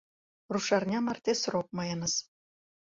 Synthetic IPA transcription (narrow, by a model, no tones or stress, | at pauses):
ruʃɑrnʲɑmɑrt̪ʲesrop̚mɑjɤnɤ̆s